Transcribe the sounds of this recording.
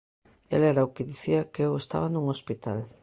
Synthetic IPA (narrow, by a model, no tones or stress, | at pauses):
ḛlɛɾaʊkɪðiθiakeewest̪a̰βanuŋospit̪al